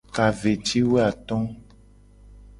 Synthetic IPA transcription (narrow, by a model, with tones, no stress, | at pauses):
ka˨ve˨t͡ʃi˦we˦a˨t̪ɔ̃˦